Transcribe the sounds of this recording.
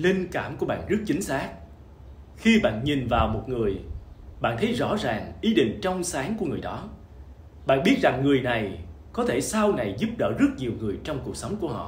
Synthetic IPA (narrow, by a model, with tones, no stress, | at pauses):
li˧ŋkaː˧˩mku˧˩əɓa̰ː˧˨nzɨ˦˥ək̚t͡ɕï˨˦ŋ̟saː˦˥k̚ | xi˧ɓa̰ː˧˨nɲi˨˩nvaː˨˩wmo˨˩t̚ŋɨ˨˩əjɓa̰ː˧˨nt̪ʰə˨˦jzɔ̰˧˥zaː˨˩ŋʔi˨˦ɗḭ̈˧˨ŋ̟t͡ɕɔ˧wŋ͡msaː˨˦ŋku˧˩əŋɨ˨˩əjɗɔ˨˦ | ɓa̰ː˧˨nɓi˦˥t̚za˨˩ŋːɨ˨˩əjna˨˩j | kɔ˨˦t̪ʰe˧˩sa˧wna˨˩jzu˦˥p̚ɗə̰ː˧˩zɨ˦˥ək̚ɲi˨˩əwŋɨ˨˩əjt͡ɕɔ˧wŋ͡mku˨˩ək̚sə˨˦wŋ͡mku˧˩əhɔ̰˧˨